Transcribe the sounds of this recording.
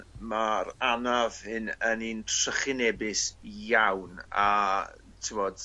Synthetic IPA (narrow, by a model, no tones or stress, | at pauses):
maɾanavhɨnənintʰrəχɪnɛbɪsjawna | tʰɪvɔd̥